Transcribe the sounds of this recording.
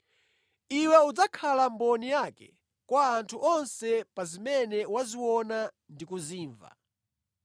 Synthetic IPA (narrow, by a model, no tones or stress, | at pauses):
iwɛud͡zakʰalambɔnijakɛ̰ | kwaːntʰuʔɔnsɛpazimɛnɛwaziwɔna | ndikuziːɱva̰